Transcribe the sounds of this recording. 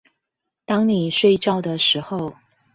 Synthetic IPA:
t̪ɑ˥ŋni˨˩ʂwe˥˧ɪʈ͡ʂɑ˥˩ʊd̪ə˩ʂɻ̩˧˥xo˧ʊ

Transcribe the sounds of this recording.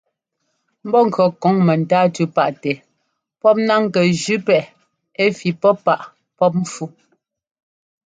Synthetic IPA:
m̩˦bɔ˦ŋ̩˨kɰɔ˨kɔ˨˦ŋmɛ˨n˨taː˦tʉ˦pa˨ʔtɛ˨ | pɔ˦p̚na˦ŋ˨kɛ˨d͡ʒʉ˦pɛ˨ | e˦fi˨pɔ˦pa˦˨ʔ | pɔ˦p̬̚m̩˦fu˦

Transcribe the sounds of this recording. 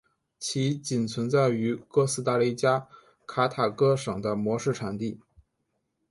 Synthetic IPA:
t͡ɕʰi˧˥t͡ɕi˨˩nt͡sʰwə˧˥nt͡sa˥˩ɪy˧˥kɤ˥˧sɹ̩˥t̪a˥˧li˥˩t͡ɕja˥ | kʰa˥t̪ʰa˨˩kɤ˥ʂɤ˨˩ŋd̪ə˦mwɔ˧˥ʂɻ̩˥˩ʈ͡ʂʰa˨˩nt̪i˥˩

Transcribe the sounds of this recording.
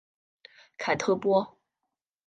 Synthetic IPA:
kʰa˨˩ɪt̪ʰɤ˥pwɔ˥

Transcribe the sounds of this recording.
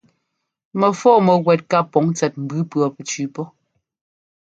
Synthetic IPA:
mɛ˨fɔː˦mɛ˨ɣwɛ˨t̚ka˦pɔ˨˦ŋt͡sɛ˨t̚m̩˨bʉ˦pɰɔ˨pɛ˨t͡ʃʉː˨˦pɔ˦

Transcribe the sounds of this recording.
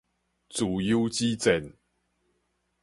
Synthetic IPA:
t͡su˨ju˦t͡ɕi˦t͡sɛ˨˩n

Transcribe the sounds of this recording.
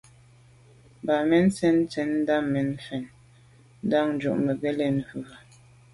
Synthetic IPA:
ba˨mɛ˦n˦t͡sɛ˦n˦t͡sɛ˦n̩˦da˦ŋme˨n˦fɛ˨n | n̩˦da˦˨ŋn̩˨˦d͡ʒṵ˨ʔmə˨ɡe˦le˦˨n˨hʉ˨a˨

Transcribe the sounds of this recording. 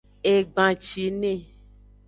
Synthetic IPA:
e˨ɡ͡bã˨t͡ʃi˨nẽ˦˨

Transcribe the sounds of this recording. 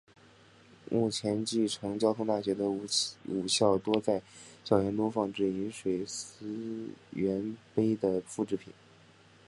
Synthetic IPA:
mu˥˩t͡ɕʰjɛ˧˥nt͡ɕi˥˩ʈ͡ʂʰɤ˧˥ŋt͡ɕjɑ˥ʊt̪ʰʊ˥ŋt̪a˥˩ɕɥɛ˧˥d̪ə˧u˨˩ɕjɑ˥˩ʊt̪wɔ˥t͡sa˥˩ɪɕjɑ˨˩ʊjɛ˧˥nt̪ʊ˥ŋfɑ˥˧ŋʈ͡ʂɻ̩˥˩i˧˥nʂwe˨˩ɪs̩˥ɥɛ˧˥npe˥ɪd̪ə˨fu˥˧ʈ͡ʂɻ̩˥pʰḭ˨˩˦n

